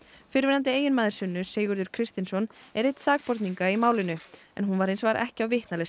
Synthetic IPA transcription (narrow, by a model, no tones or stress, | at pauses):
fɪɾvɪːnant̪̬ɪeːjɪnmaːðɪɾ̥sʏnːʏseːɣʏɾðʏɾ̥kʰɾɪst̪insɔnɛɾejt̪saːk̚pɔɾt̪niŋkaimaːwlɪnʏɛ̰nɦunvaɾensvaɾʔɛ̰hcɪawvɪht̪nales